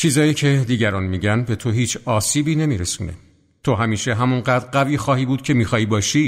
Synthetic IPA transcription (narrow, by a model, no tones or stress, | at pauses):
t͡ʃʰiːzɒːjiːcʰe̞d̪iːɟæɾɒːnmiːɡɟænbe̞t̪ʰo̞ɦiːt͡ʃʰɒːsiːbiːne̞miːɾesuːnḛ | t̪ʰo̞ɦæmiːʃe̞ɦæmunɢæːd̪ɾɢæviːxɒːhiːbuːd̪̚cʰe̞miːxɒːjiːbɒːʃi